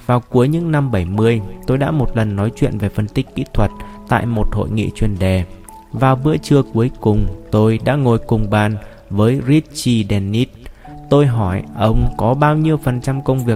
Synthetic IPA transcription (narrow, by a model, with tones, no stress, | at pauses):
vaː˨˩wku˨˦əjɲɨ̰˧˥ŋna˧mɓə˧˩jmɨ˧əjt̪o˧jɗa̰ː˧˥mo˨˩t̚lə˨˩nːɔ˨˦jt͡ɕwḭ˧˨ənve˨˩fə˧˩nt̪ï˦˥k̟̚kḭ˧˥t̪ʰwə˨˩t̚t̪a̰ː˧˨jmo˨˩t̚ho̰˧˨jŋḭ˧˨t͡ɕwi˨˩ənɗɛ˨˩ | vaː˨˩wvɨ̰˧˥ət͡ɕɨ˧əku˨˦əjkʊ˨˩ŋ͡mt̪o˧jɗa̰ː˧˥ŋo˨˩jkʊ˨˩ŋ͡mɓaː˧n | vəː˨˦jzi˦˥t̚t͡ɕi˧ɗɛ˧nːi˦˥t̚t̪o˧jɦɔ˧˩jʔə˧wŋ͡mkɔ˨˦ɓaː˧wɲi˧əwfə˨˩nt͡ɕa˧mkə˧wŋ͡mvi˨˩ək̚